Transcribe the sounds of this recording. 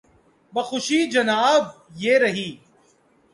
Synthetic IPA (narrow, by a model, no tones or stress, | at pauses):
bɐxʊʃiːd͡ʒɐnaːb̚jeːɾɐɦiː